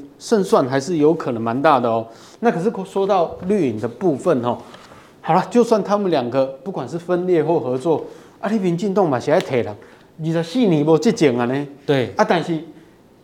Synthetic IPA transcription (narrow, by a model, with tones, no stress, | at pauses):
ʂə˥˧nswa˥˨nxa˧ɪʂɻ̩˥˩jo˧˥ʊkʰə˨˩nə˧˦ŋma˧˦nt̪a˥˨d̪ə˨ɔ˨˦ | na˥˨˩kʰɤ˨˩ʂ̬ɻ̩˥˩kʰo˧˥swɔ˥t̪ɑ˥˧˨ʊly˥˩i˨˩nd̪ə˨pu˥˧fə˥˨nhɔ˨˩ | ha˨˩ʊla˧t͡ɕjo˥˧ʊswa˥˩nt̪ʰa˦˥mə˨nlja˨˩ŋɡə˨pu˥˩kwa˨nʂɻ̩˥˨fə˦nljɛ˥˧xwɔ˥˩xɤ˧˦t͡swɔ˥˨ | a˥˦ɾi˦˥pi˧˥nt͡ɕi˥˧nt̪o˥˨ŋmã˨˩ɕi˨˩a˧˥˩ɪt̪ʰe˨˩ɪla˨˦ŋ | d͡ʑi˨˩t͡sa˨˩ɕi˥˨nĩ˨˩bɔ˧t͡ɕe˥˩t͡ɕi˨˩ŋa˨ne˨˩t̪wa˦˧t̪a˥˧nɕi˥˩